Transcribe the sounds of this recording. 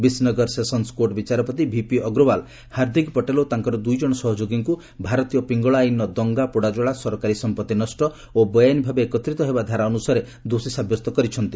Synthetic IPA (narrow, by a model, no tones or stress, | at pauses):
bisnɔɡɔɾsesɔnskoɾʈbit͡ʃaɾɔpɔt̪̬ibʱipiɔɡɾobal | haɾd̪ʱikpɔʈelot̪aŋkɔɾɔd̪ujd͡ʒɔɽ̃ɔsɔɦɔd͡ʒoɡiŋku | bʱaɾɔt̪ijɔpiŋɡɔɭajnːɔd̪ɔŋɡapuɽad͡ʒɔɭasɔɾɔkaɾisɔmpɔt̪ːinɔsʈɔ | obɔjanibʱabeːkɔt̪ɾit̪ɔɦebad̪ʱaɾaɔnusaɾe | d̪osisabjɔst̪ɔkɔɾit͡ʃʰɔnt̪i